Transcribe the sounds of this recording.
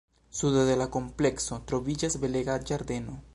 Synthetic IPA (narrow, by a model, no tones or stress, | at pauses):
suðoðelako̞mple̞ksot̪ɾoβid͡ʒazbeleɡad͡ʒaɾd̪eno